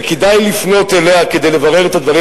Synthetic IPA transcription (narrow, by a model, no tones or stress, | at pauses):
kid̪ajlifno̞t̪e̞le̞aked̪e̞jlevaʁe̞ʁet̪ad̪vaʁi